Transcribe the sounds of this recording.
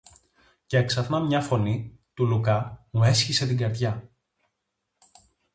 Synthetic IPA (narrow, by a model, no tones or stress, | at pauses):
ceeksɐθnɐmɲɐfo̞nit̪ulukɐmue̞sçise̞t̪iɡɐɾðʝɐ